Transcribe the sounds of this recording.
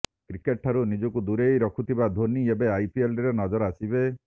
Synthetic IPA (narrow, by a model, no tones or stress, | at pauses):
kɾikeʈʰːaɾunid͡ʒɔkud̪uɾejɾɔkʰut̪ʰibad̪ʱoniebeajpielɖiɾɔnɔd͡ʒɔɾɔasibe